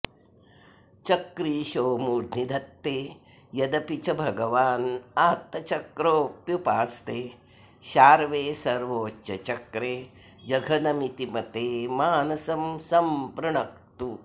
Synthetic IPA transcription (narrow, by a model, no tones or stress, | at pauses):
t͡ʃɐkɾiːʃoːmuːd̪ʱnid̪ʱɐt̪ːeː | jɐd̪ɐpit͡ʃɐbʱɐɡɐʋaːnaːt̪ːɐt͡ʃɐkɾoːpjupaːst̪eː | ʃaːɾʋeːsɐɾʋoːɐ̰t͡ʃɐkɾeː | d͡ʒɐɡʱɐnɐmit̪imɐt̪eːmaːnɐsɐmsɐmpɾɐɳɐk̚t̪u